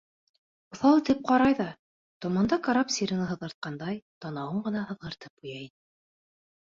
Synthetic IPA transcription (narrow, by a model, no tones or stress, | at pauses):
uθɑlˠt̪ip̚qɑɾɑjðɑ | t̪ŏmɑnd̪ɑkaɾɑpsʲiɾɘ̆nɤɦɤ̆ðʁɤɾt̪̚qɑnd̪ɑjt̪ɑnɑwɤɴɢɤ̆nɑhɤ̆ðʁɤ̆ɾt̪ɤpujɑinɘ